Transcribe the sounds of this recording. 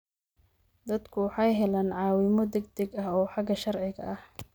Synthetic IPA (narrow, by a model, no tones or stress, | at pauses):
d̪ɐd̪kʰʊwɑħɑjɦɛlaːnʕɑːwɪmɔd̪ɛɡ̚d̪ɛɡɐhɔːħɑɡɐʃɐrʕɪɣɐ̰ʔɐh